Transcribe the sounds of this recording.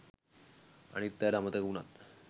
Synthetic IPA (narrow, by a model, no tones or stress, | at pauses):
a̰ɽ̃it̪jalamət̪əkuɳa̰t̪